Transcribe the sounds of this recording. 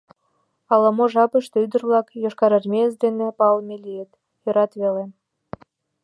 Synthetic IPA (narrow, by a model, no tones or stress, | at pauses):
ɑlɑmoʒɑpəʃt̪yd̪ə̆rlˠɑkjoʃkɑɾərmʲes̬d̪enĕpɑlˠmʲelʲijet̪ | jɤ̆ɾɑt̪βelĕ